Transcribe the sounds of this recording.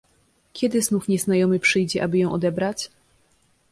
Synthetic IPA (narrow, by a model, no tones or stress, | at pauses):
kʲɛd̪ɘznufɲɛzn̪ajɔmɘpʂɘjd͡ʑɛʔabɘjɔ̃w̃ʔɔd̪ɛbɾat͡ɕ